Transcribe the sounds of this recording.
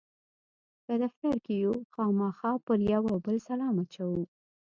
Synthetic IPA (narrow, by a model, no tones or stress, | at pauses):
kəd̪aft̪aɾkejoxɑmɑxɑpəɾjawawbəlsalɑmat͡ʃawu